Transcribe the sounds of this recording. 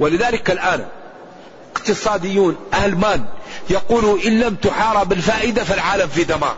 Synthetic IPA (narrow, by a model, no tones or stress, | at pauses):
wɪlɪðaːlɪkalʔaːn | ɪqt̪ɨsˤɑːd̪ɪjːuːnʔahlmaːnjɑquːluʔɪnːamt̪ʊħɑːɾˤɑbɪlfaːʔɪd̪afalʕaːlamfid̪amɑ̰ːɾˤ